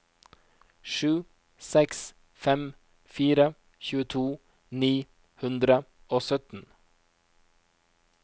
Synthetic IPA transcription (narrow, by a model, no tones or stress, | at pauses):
ʃʉː | sɛks | fɛm | fiːɾə | çʉːət̪ʰuː | niː | hʉnd̪ɾə | oːsœt̪n̩